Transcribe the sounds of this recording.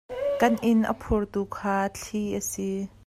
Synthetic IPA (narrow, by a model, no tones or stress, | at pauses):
kɐnʔɪnʔə̰pʰurt̪ukʰaːt͡ɬʰiʔəsi